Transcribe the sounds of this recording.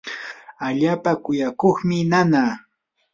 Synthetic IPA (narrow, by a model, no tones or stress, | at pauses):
aʎaːpakʊjakoχmɪnanaː